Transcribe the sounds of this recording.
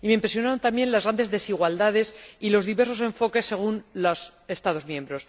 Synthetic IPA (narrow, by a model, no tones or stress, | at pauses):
ime̞impɾe̞sjonaɾont̪ambje̞nlazɣɾand̪e̞zðe̞siɣwald̪aðe̞silo̞zðiβe̞ɾso̞sẽ̞ɱfo̞ke̞sːe̞ɣ̞unlose̞st̪að̞o̞zmjẽ̞mbɾo̞s